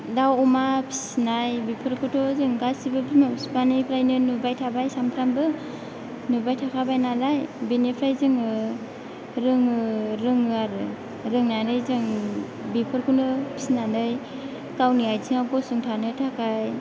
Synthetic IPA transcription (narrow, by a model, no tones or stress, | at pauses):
dawɔmapʰi̥snajbipʰɯɾkʰɔtʰɔzɯŋɡasibɯbʰimapʰispanipʰɾajnɯnubajtʰabajsamtʰɾambɯ | nubajtʰakʰabajnalajbenepʰɾajzɯŋɯ | ɾɯŋɯɾɯŋɯaɾɯ | ɾɯŋnanɯjzɯŋ | bipʰɯɾkʰɯnɯpʰi̥snanɯj | kawniajzʰiŋabɔsɯŋtʰanɯtʰakʰaj